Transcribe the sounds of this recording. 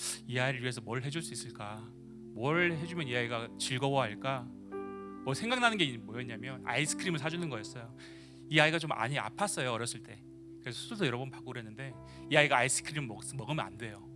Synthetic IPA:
iaiɾɯɭɥiesʰʌmwʌɾɯɭɦe̞d͡ʑuɭs͈uis͈ɯɭk͈a | mwʌɾɯɦe̞d͡ʑumjʌniaiɡat͡ɕiɭɡʌwʌɦaɭk͈a | mʌsʰe̞ŋɡaŋnanɯnɡeimʌeɲamjʌna̰is͈ʰɯ̥kʰɯɾimɯɭsʰad͡ʑunɯnɡʌes͈ʌjo | iaiɡat͡ɕomʔa̰ɲia̰pʰas͈ʌjoʌɾjʌs͈ɯɭt͈e̞ | kɯɾe̞sʰʌsʰususʰʌjʌɾʌbnpak͈oɡɯɾe̞nːɯnde̞ | iaiɡaːis͈ʰɯ̥kʰɯɾimɯʌs͈ɯmːʌɡɯmjʌna̰nde̞jo

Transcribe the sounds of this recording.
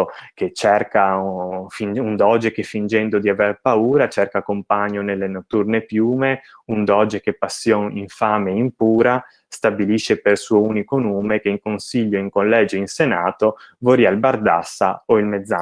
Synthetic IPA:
ket͡ʃːɛrkafinund̪ɔd͡ʒekefːind͡ʒɛnd̪od̪iaverpauːɾat͡ʃɛrkakompaɲːonelːenot̪ːurnepjuːme | und̪ɔd͡ʒekepːasːjɔniɱfaːmeimpuːɾa | st̪abiliʃːepersuːouːnikonoːmekeiŋkonsiʎːoiŋkollɛːd͡ʒoinsenaːt̪ovoɾiailbard̪a̰sːa̰oilmed̪zːa

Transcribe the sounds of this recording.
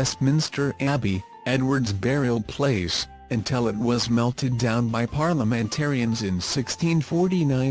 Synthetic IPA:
ɛsmɪ̃nstʰə˞ʔæbi | ɛdwə˞dzbɛɹil̩ˠpʰl̥eɪs | ɨ̃ntʰɪlˠɨt̚wʌzmɛlˠtʰɨdãʊ̃nbaɪpʰɑɹlˠəmɨ̃ntʰɛɹiɨ̃nzɨ̃nsɪkstʰĩnfɔɹɾinãɪ̃n

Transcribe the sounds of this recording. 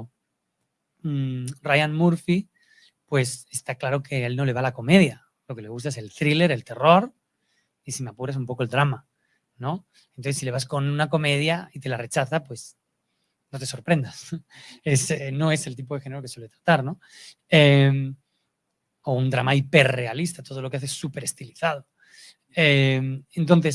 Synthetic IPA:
rajanmuɾfi | pwe̞sest̪aklaɾo̞ke̞elno̞le̞βalako̞me̞ðja | lo̞ke̞le̞ɣust̪aese̞lt̪ɾile̞ɾe̞lt̪e̞ro̞ɾ | isimeapuɾas̬umpo̞ko̞ld̪ɾama | no̞ | ent̪oθesile̞βasko̞nunako̞me̞ð̞jait̪e̞lare̞t͡ʃaθapwe̞s | no̞t̪e̞so̞ɾpɾe̞nd̪aseseno̞e̞se̞lt̪̬ipo̞ðexeneɾokeswele̞t̪ɾat̪aɾno̞ | em | o̞und̪ɾamaipe̞rre̞alist̪at̪o̞ð̞o̞lokeaθeesːupe̞ɾe̞st̪iliθað̞o̞ | ement̪o̞nθe̞s

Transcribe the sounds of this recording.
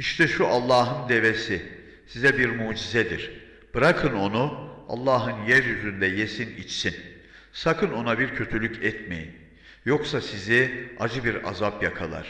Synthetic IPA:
iʃt̪ʰɛʃuʔalˠːaːɦɯnd̪e̞vesi | sizɛbiɾmuːd͡ʒizɛd̪ḭɾ̥ | b̥ɯɾakʰɯno̞nua̰lˠːaːɦɯnjæɾjyzynd̪ɛjesinḭt͡ʃsin | sakʰɯno̞nabiɾcʰø̞t̪ʰylʲycʰɛt̪mejin | jo̞ksasiziad͡ʒɯbiɾa̰zapjakʰalˠa̰ɾ̥

